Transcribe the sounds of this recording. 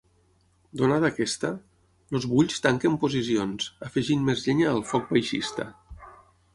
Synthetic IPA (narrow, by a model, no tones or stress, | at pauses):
d̪onaðəkɛst̪ə | lozβuʎst̪aŋkəmpuzisionzəfəʒinmezʎeɲaːlˠfɔk̚bajʃḭst̪ə̰